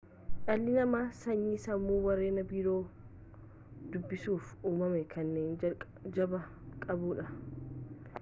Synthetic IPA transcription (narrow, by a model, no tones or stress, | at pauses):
ʔɐlːɪnɐmaːsɐɲːiːsɐmːuːwɐɾeːnɐbiːɾoː | d̪̥ʊbːɪsuːfuːmɐmɛkʰɐnːeːn | d͡ʒɐbɐ | kʼɐbuːᶑɐ